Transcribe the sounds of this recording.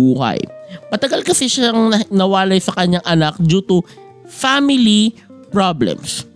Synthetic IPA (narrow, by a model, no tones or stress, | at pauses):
uːhɐ̰jmɐt̪ɐɡalkɐsɛʃaŋɐnɐwaːlɐjsɐkɐɲːaŋʔɐnak̚d͡ʒut̪u | famɪli | pɹablɛ̰ms